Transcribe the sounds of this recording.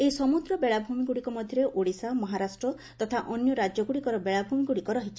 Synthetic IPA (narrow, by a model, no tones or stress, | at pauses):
eisɔmud̪ɾɔbeɭabʱumiɡuɽikɔmɔd̪ʱjɔɾeʔoɽisamɔɦaɾasʈɾɔ | t̪ɔt̪ʰaʔɔnjɔɾad͡ʒjɔɡuɽikɔɾɔbeɭabʱumiɡuɽikɔɾɔɦit͡ʃʰi̥